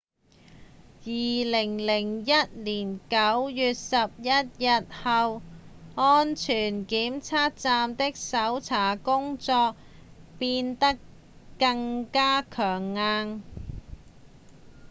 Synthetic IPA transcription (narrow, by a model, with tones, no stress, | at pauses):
jiː˨lɪ˨˩ŋlɪ˨˩ŋjɐ˥t̚liː˨˩nkɐ˨˥wjyː˨t̚sɐ˨p̚jɐ˥t̚jɐ˨t̚hɐ˨wŋɔː˥nt͡ʃʰyː˨˩nkiː˨˥mt͡sʰaː˥t̚t͡saː˧mt̪ɪ˥k̚sɐ˨˥wt͡sʰaː˨˩kʊ˥ŋt͡sɔː˧k̚ | piː˧nt̪ɐ˥kː | ɐ˧ŋkaː˥kʰœː˨˩ŋːaː˧n